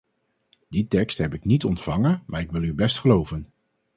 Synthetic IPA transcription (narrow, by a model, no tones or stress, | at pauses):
ditɛkstɦɛpɪknitɔntfɑŋənma̰ːɹɪkʋɪlˠybɛstχəlowvən